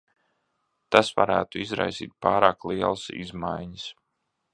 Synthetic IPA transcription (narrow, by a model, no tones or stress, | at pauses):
t̪asva̰ɾæːt̪uizɾa̰jsḭːt̪̚pɑːɾaːklˠiɛlˠəsḭzmajɲəs